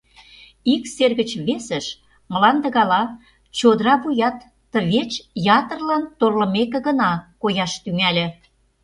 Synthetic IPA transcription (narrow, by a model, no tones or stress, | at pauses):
ikserɣə̆t͡ɕβesə̆ʃ | mə̆lɑnd̪ə̆ɣɑlɑ | t͡ɕod̪ɾɑβujɑt̪ː | ə̆βet͡ɕjɑt̪ə̆rlɑnt̪orlə̆mekĕɣə̆nɑkojɑʃt̪yŋælʲĕ